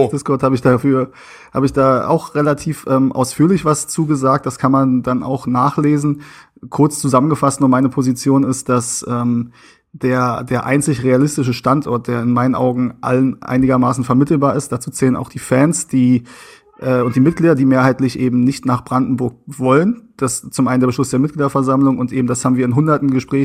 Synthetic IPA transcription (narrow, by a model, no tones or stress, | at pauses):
d̥ɪskʰɔɐthaːbəɪçd̥aːfyːɐ | ha̰ːbəɪçd̥aːa̰ʊxʁelatʰiːfʔɛːmʔa̰ʊsfyːɐlɪçv̥ast͡suːɡəzaːk̚t̚d̥askʰanmandana̰ʊxnaːχleːzn̩ | kʰʊɐt͡st͡suzamənɡəfastnuːɐmaɪnəpʰozit͡sjoːnɪstd̥asʔɛːm | d̥eːɐdeːɐʔa̰ɪnt͡sɪçʁealɪstɪʃ̬əʃtantʔɔɐt̚d̥eːɐɪnmaɪnənʔa̰ʊɡŋ̩ʔa̰lənʔa̰ɪnɪɡɐmaːsn̩fɛɐmɪtl̩baːɐɪst̚d̥at͡suːt͡sɛːləna̰ʊxd̥iːfɛnsd̥iː | ʔɛːʊnt̚d̥iːmɪt̚ɡ̥liːdɐdiːmeːɐɦaɪtlɪçʔeːbm̩nɪçtnaːχb̥ʁandn̩bʊɐk̚vɔlənd̥ast͡sʊmʔaɪnəndeːɐbəʃlʊsd̥eːɐmɪt̚ɡ̥liːdɐfɛɐzamlʊŋʊntʔeːbm̩d̥ashaːbm̩viːɐɪnɦʊndɐtn̩ɡəʃpʁ̥ɛː